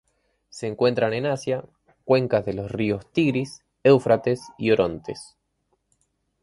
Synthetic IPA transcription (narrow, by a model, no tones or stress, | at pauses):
seːŋkwe̞nt̪ɾane̞nasja | kwe̞ŋkazðe̞lo̞srio̞st̪iɣɾis | ewfɾat̪esio̞ɾo̞nt̪es